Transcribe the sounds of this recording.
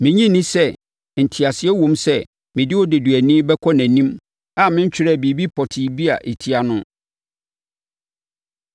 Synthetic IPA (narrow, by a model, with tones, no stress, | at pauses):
mɪ̃˨ɲĩ˦nĩ˦sɛ˦ | n̩˨tʰi˨a˨sɪ˨ɛ˦wɔ̃˨msɛ˦ | mɪ̃˨dɪ˦wɔ˦de˨du˨æ˨nĩ˦bɛ˦kʰɔ˦næ̃˨nĩ˦m | a˦˨mɪ̃˦ɲ̩˦t͡ɕᶣɪ˦ɾɛ˦˨bi˨bi˦pʰɔ˨tʰɪ˨bi˦a˨ʔe˨tʰi˦a˨nʊ̃˦